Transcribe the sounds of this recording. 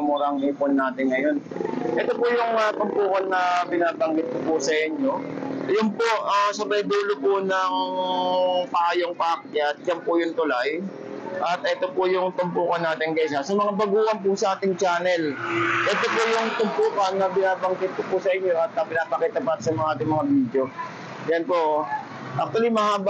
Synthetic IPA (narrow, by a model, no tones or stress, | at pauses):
mʊɾɐŋʔɛːponːaːt̪ɪŋŋɐjo̞nʔɛt̪opʊjʊŋɐt̪ʊmpuːkɐnːɐbɪnaːbɐŋɡɪt̪̚kopʊsɐʔɪɲjo̞jʊnpoʔasɐbɐjd̪uːlopʊnɐŋ | paːjoŋpaːk̚jat̪̚d͡ʒɐmpʊjʊŋt̪ʊlaj | ʔɐt̪̚ʔɛːt̪o̞pʊjʊŋt̪ʊmpuːkɐnːaːt̪ɪŋkɐsasɐmɐŋabɐɡuːʔɐnpʊsɐʔaːt̪ɪŋt͡ʃaːnɛlʔɛːt̪o̞pojʊŋt̪ʊmpuːkɐnːɐbɪnaːbɐŋɡɪt̪̚kopʊsɐʔɪɲːoʔɐt̪̚ɐpɪnaːpɐkiːt̪ɐpat̪sɐmɐŋaʔaːt̪ɪŋmɐŋabiːd̪jo̞ | jɐnpo | ʔɐk̚t̪ʊɐlimɐhaːb